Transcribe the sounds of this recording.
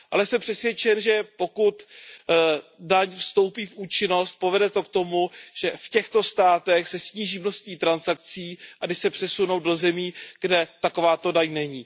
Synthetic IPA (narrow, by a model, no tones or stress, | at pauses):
ʔalɛsɛmpr̥ɛsvjɛt͡ʃɛnʒɛpo̞kut̪ | daɲfst̪o̞wpiːfʔuːt͡ʃɪno̞st̪̚povɛdɛt̪o̞kt̪o̞muʒ̥ɛfcɛxt̪o̞st̪aːt̪ɛxsɛsɲiːʒiːmnost̪ɲiːt̪ɾansak̚t͡siːʔadɪʃsɛpr̥ɛsuno̞wdo̞zɛmiːɡ̥dɛt̪akovaːt̪o̞daɲnɛɲiː